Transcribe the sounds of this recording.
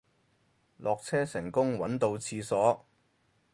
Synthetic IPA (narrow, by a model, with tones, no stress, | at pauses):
lʔɔː˨k̚t͡sʰɛː˥sɪ˨˩ŋkʊ˥ŋwɐ˨˥nt̪o˧wt͡sʰiː˧sɔː˨˥